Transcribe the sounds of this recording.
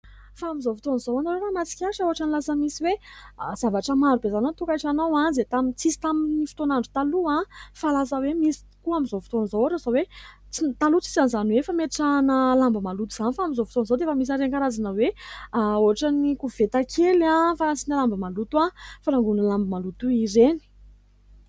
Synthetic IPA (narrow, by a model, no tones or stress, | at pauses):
faːmizofi̥t̪onizowanoɾoɾamat͡si̥kʲaʈ͡ʂəoɦaʈ͡ʂanilasəmisiwez̥avaʈ͡ʂəmaɾubezanot̪ukajʈ͡ʂanawazet̪amint͡sisi̥t̪aminifi̥t̪onaɳɖ͡ʐut̪aluãfalasəwemisi̥kuamizofi̥t̪onizowaʈ͡ʂozowe | t͡sit̪alut͡si̥zanzanwefameʈ͡ʂanəlambəmalut̪uz̥anifaamizofu̥t̪onzowd̪efəmis̬aɾenkaɾazanəwe | oaʈ͡ʂanikuv̥et̪akʰelãfaasinalambəmalut̪uafaɾaŋɡunəlambəmalut̪uiɾeni̥